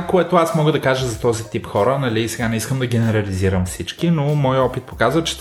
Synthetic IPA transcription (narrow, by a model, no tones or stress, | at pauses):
koɛt̪oasmɔɡəd̪ɐkaʒəzɐt̪ɔzit̪ipxɔɾənɐliːsɛɡanɛiskəmd̪ɐɡ̟ɛnɛɾɐliziɾəmfsit͡ʃkinomɔjɔpit̪̚pokazvət͡ʃɛ̥